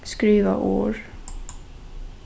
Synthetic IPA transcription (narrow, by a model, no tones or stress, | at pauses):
skɾiːʋa̰ʔoːɹ